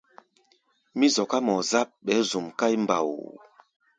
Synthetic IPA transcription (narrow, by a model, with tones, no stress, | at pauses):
mi˦zɔ˨ka˦mɔ˨za˦p̚ɓɛ˨˦zu˨mka˦jmba̰˨w